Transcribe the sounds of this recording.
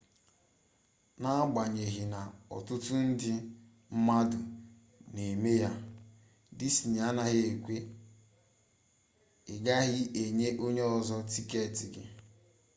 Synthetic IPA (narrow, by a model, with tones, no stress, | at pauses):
na˦a˦ɡ͡ba˨ɲe˨ɦɪ˨na˨ɔ̰˨tʊ˦tʊ˦n̩˦dɪ˦ | m̩˦ma˦dʊ˨ | ne˨me˦ja˦ | dɪ˦si˨ɲa˨˦na˨ɦɪ˦e˨kʷe˦ | ɪ˨ɡa˦ɣɪ˦e˨ɲe˦ʔo˦ɲe˦ɔ˨zɔ˦ti˦ke˦˨tɪ˨ɡɪ̰˦